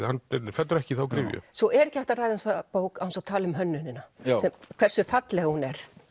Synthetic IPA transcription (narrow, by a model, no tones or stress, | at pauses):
hanːɛfɛt̪ːʏɾɛhcɪθawkɾɪːjʏ̰sɔʔɛɾɛcɪaht̪aɾraːjðɛnsapoːwkaðansat̪ʰaːlʏmɦœnːʏnɪnasɛmkʰv̥ɛr̥sʏfat̪lɛɣahunɛɾ̥